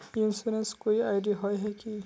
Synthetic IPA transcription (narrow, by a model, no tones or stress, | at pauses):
insuɾẽnskoiaːɪɖiaɦɔjɦɛki